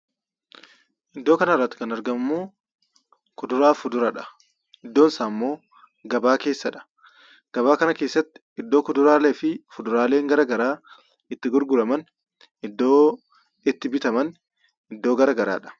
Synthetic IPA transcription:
ʔɪd̪ːo̞ːkɐnɐrːɐt̪ːɪ̥kɐnɐɾɡɐmmːoː | kʊd̪ʊɾaːfʊd̪ʊɾɐᶑɐ̥ | ʔɪd̪ːoːnɪsaːmːo̞ː | ɡɐbaːke̞ːsːɐᶑɐ̥ | ɡ̥ɐbaːkɐnɐke̞ːsːɐt̪ːɪ̥ | ɪd̪ːo̞ːkʊd̪ʊɾaːle̞ːfɪfʊd̪ʊɾaːle̞ːŋɡɐɾɐɡɐɾaː | ɪt̪ːɪɡʊɾɡʊɾɐmɐn | ɪd̪ːo̞ː | ɪt̪ːɪbɪt̪ɐmɐn | ɪd̪ːoːɡɐɾɐɡɐɾa̰ːᶑɐ̥

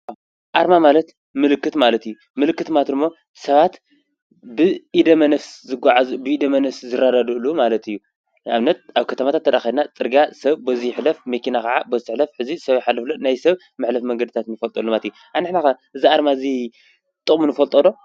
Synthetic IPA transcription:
a | ʔaɾmamalɐt̪ | mɨlɨkːɨt̪malɐt̪ɨjːu | mɨlɨkːɨt̪mat̪ɨmːo̞ | sɐβat̪ | bɨʔid̪ɐmɐnɐfszɨɡaʕazubɨid̪ɐmɐnɐfszɨɾad̪ad̪ɨɨlːumalɐt̪ɨjːu | ʔa̰βnɐt̪̚aβkʰɐt̪ʰɐmat̪ʰat̪ʰːɐɾaxidnat͡sʼɨɾɡasɐβbozijɪħlɐfmekinakʰaʕabozt̪ɨħlɐfħɨzisɐβjħalːɐflonajsɐβ | mɨħlɐfmɐŋɡɐd̪ɨt̪ʰat̪nɨfɐlt̪ʼɐlːomalt̪juʔanɨħnakaʔɨziaɾmaɨzi | t̪ʼɨχʼmunɨfɐlt̪ʼɐlo̞

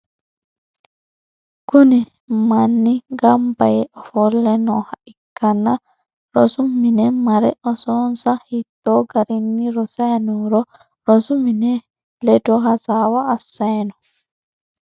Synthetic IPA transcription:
kuni | manːiŋɡamba̰jɛʔɔfɔlːɛnɔhaʔikːana | ɾɔ̰sumːinɛmaɾɛʔɔsɔnsahit̪ːɔɡaɾinːiɾɔsanɔɾɔ | ɾɔsuminɛ | lɛdɔɦasawaːsːajnɔ

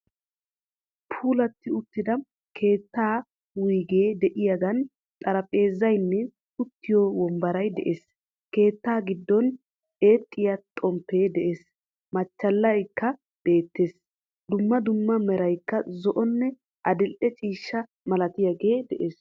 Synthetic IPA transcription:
pʰuːlɐt̪ːɪʊt̪ːɪd̪ɐ | kʰe̞ːt̪ːaː | wiːɡe̞ːd̪ɛʔɪjɐɡɐn | t̪ʼɐɾɐpʼe̞ːzːɐjnːɛ | ʊt̪ːɪjɔwɔmbɐɾɐjd̪ɛ̰ʔeːs | ke̞ːt̪ːaːɡɪd̪ːɔn | e̞ːt̪ʼːɪjɐt̪ʼɔmpːe̞ːd̪ɛʔe̞ːs | mɐt͡ʃːɐlːɐjkːɐ | b̥e̞ːt̪ːe̞ːs | d̪ʊmːɐd̪ʊmːɐmɛɾɐjkːɐzɔʔɔnːɛ | ʔɐd̪ɪlʔɛt͡ʃʼiːʃːɐ | mɐlɐt̪ɪjaɡe̞ːd̪ɛʔeːs

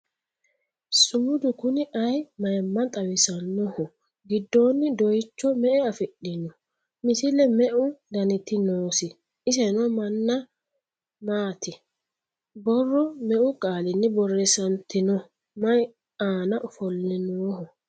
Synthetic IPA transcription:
sʊːʊd̪ʊkʊnɪʔɐjmɐjmːɐnt̪ʼɐwɪsɐnːɔhɔ | ɡɪd̪ːoːnːɪd̪ɔjt͡ʃːɔmɛʔɛɐfɪɗɪnɔ | mɪsɪlɛmɛʔʊd̪ɐnɪt̪ːɪnoːsɪ | ɪs̬ɛnɔmɐnːɐ | maːt̪ɪ | bɔrːɔmɛʔʊkʼaːlɪnːɪbɔrːɛsɐnt̪ːɪnɔ | mɐj | aːnɐʔʊfɔlːɪnoːhɔ

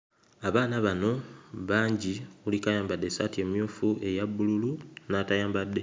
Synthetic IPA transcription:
aβaːnaβano̞βaːɲɟiulikajaːmbadːe̞satie̞ːmjuːfuʔe̞jabːululunatajaːmbadːe̞

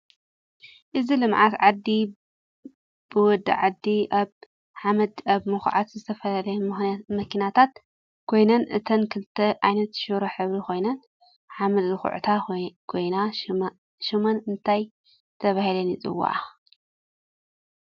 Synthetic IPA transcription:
ʔɨzilɨmʕat̪ʕad̪ːi | b̥ɨwɔd̪ːɨ̰ʕad̪ːiʔaβ | ħamɐd̪aβmɨxʕat̪zɨt̪ʰɐfɐlalɐjɐmɨxmɐkʰinat̪ʰat̪ | kʰo̞jnɐnʔɨ̰t̪ʰɐnkʰɨlt̪ʰːɐʔajnɐt̪ʃɨɾoħɨβɾiko̞jnɐn | ħamɐd̪zɨxṵʕ̰t̪ʰakʰo̞jna | ʃimɐnɨnt̪ʰaj | t̪ʰɐβahilɐnjɪt͡sʼɨ̰wːa̰ʕa

